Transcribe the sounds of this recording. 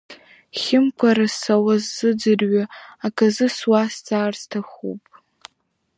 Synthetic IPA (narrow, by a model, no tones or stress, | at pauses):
χʲɪmkʷʰaɾasawazːɨd͡zɨrɥaakʰʼazɨswast͡sʼaːrstʰaχṵpʼ